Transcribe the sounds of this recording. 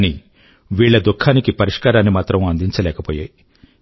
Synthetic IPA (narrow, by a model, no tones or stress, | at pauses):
ni | ʋiːɭːɐd̪ukʰːaːnikipɐɾiʂkaːɾaːnːimaːt̪ɾɐmɐnd̪iɲt͡ʃɐlɛːkɐpoːjaːj